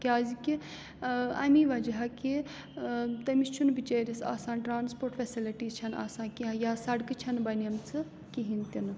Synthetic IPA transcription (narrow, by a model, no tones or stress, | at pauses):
kʲaːziki | ɐmiʋɐd͡ʒɐɦaki | t̪ɐmist͡ʃʰunbit͡ʃɐːɾisa̰ːsãːnʈɾaːnspoːɾʈfesiliʈiːzt͡ʃʰɐna̰ːsaːnkiɦɐjaːsɐɽkɨt͡ʃʰɐnbɐnɐmt͡sʰɨ | kiɦint̪ʲinɨ